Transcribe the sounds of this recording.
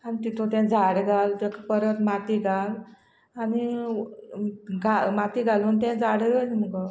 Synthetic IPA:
anit̪it̪ʰõt̪ɛ̃d͡zʱaɽɡʱalt̪ɛ̃kʰapəɾət̪mat̪iɡʱal | ani | ɡʱamat̪iɡʱaluːnt̪̬ɛ̃d͡zaɽəɾəliməɡa

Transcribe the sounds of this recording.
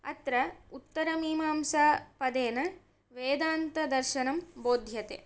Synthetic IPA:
ɐ̰t̪ɾɐut̪ːɐɾɐmiːmaːmsaːpɐd̪eːnɐ | ʋeːd̪aːnt̪ɐd̪ɐɾʃɐnɐmboːd̪ʱjɐt̪ḛː

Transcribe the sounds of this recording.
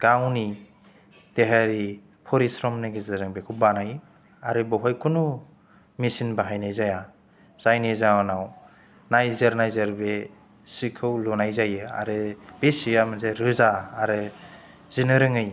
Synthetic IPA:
ɡ̥awni | d̥eɦaɾi | pʰɔɾisɾɔmnɯɡezɾɯŋbekʰubanaj | aɾɯbɔɦajkʰunu | misinbaɦajnajzaja | z̥ajnizawnaw | najzaɾnajzaɾbe | sikʰɯwlunajzajɯa̰ɾɯb̥esijamanzeɾɯzaːɾɯ | zinɯɾɯŋɯj

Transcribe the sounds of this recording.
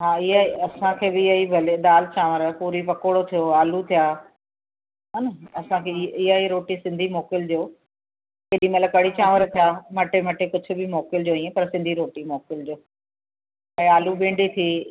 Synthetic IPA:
ɦaːɪɦaɐsãkʰeːbɪaibʱɐled̪aːlt͡ɕaːʋəɾpuːɾipɐkoːɽot̪ʰijoːaːlut̪ʰijaː | ɦanəɐsãkʰeːɪɪɦaiɾoːʈisɪ̃nd̪ʱimoːkɪld͡ʑoː | keːɗĩmɐt̪lakɐɽ̤it͡ɕaːʋəɾt̪ʰijaːmɐʈemɐʈekʊd͡ʑʱʊ̆bɪmoːkɪld͡ʑoːĩẽpɐɾsɪ̃nd̪ʱiɾoːʈimoːkɪld͡ʑoː | ɛ̃ːaːlubẽːɳɖit̪ʰiː

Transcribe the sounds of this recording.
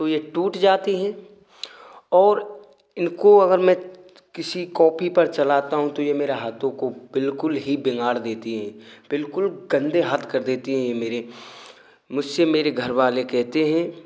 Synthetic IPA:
t̪ojeʈuːʈd͡ʒaːt̪iɦɛ̃ː | ɔːɾ | ɪnkoɐɡəɾmɛ̃ | kɪsikɔːpʰipɐɾt͡ʃɐlaːt̪aɦũt̪ojemeːɾeɦaːt̪ʰõkobɪlkʊlɦibɪŋaːɽd̪eːt̪iɦɛ̃ːb̥ɪlkʊlɡɐ̃nd̪eɦɐt̪ʰkɐɾd̪eːt̪iɦɛ̃jemeːɾe | mʊd͡ʒʱsemeːɾeɡʱɐɾʋaːlekɛɦt̪eɦɛ̃ː

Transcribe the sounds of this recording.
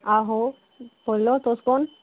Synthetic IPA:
aɦo | bollot̪oskon

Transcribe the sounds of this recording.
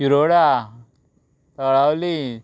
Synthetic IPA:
iɾoɽa | t̪əɭawli

